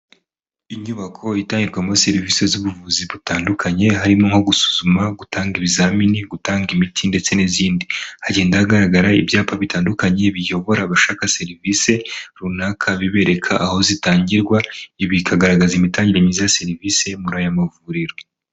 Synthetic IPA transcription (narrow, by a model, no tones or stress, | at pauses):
iɲuβakʰo̞itaːɲɟiɾɡwamo̞se̞ɾiviːse̞zuβuvuːziβutaːndukʰaɲe̞ɦaɾimoŋho̞ɡusu̥zumaɡutʰaːŋɡiβizaminiɡutaːŋɡimitʰinde̞t͡se̞niziːndihaɟe̞ːndahaɡaɾaɡaɾaibjaːpaβitaːndukaɲe̞βijo̞βo̞ɾaβaʃaːkase̞ɾivise̞ɾunakʰaβiβe̞ɾe̞kʰaʔːho̞zitaːɲɟiɾɡwaiβikʰaɡaɾaɡazimitaːɲɟiɾaɲizase̞ɾiviːse̞muɾajamavuɾiɾo̞